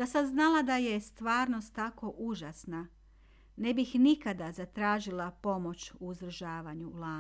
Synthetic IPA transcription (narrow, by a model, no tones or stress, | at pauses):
d̥̪asamznalad̪aje̞st̪ʋaːɾno̞st̪ːako̞ʔuʒasna | ne̞bixnikad̪azat̪ɾaːʒilˠapo̞mo̞t͡ɕuːzd̪ɾ̩ʒaːʋaɲulaː